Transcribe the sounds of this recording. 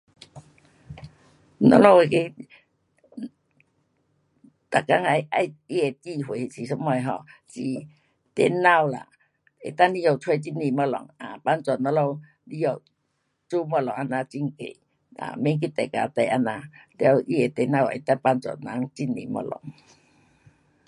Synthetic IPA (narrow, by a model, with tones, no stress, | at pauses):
nɔ̰˧˦lɔ˧˨e˨ke˧ | t̪a˨ka˧˦ŋa˧˩ja˧ji˧e˨˩t̪i˧ɦwe˨˦˨si˨˩sɔ˦ma˧˨jɦɔ̰˧˨si˨˩ | t̪ɛ̰˧˦nːa˧˨wla̰˨ | ḛ˨t̪a˦˧li˧ɔ˨˩t͡sʰwe˧˨t͡ɕi˧˥ni˧˨mɔ˧˨lɔ̰˨ŋa˨pa˧˦nt͡sa˨˩nɔ˧˦lɔ˧w | li˧˦jɔ˨˩w | t͡su˦mɔ˧˨lɔ˨ŋʔa˧nã˧t͡ɕi˧˦ŋkḛ˨ | a̰˨me˧˦ŋk̬i˦t̪ɛ˨ka̰˧˨t̪ɛ˧˨ʔa˧na˧lɛ˧˦a˧ʔi˦e˨˩t̪e˧nã˧˨wḛ˨˩t̪a˧pa˧nt͡sa̰˨˩nna˨˦ŋt͡ɕi˧˩nːḭ˨mɔ̰˧lɔ̰˨˦ŋ